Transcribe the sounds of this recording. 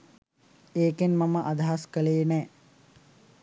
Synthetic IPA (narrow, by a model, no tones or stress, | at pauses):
eːkenmaməʔad̪aɦaskəleːnɛː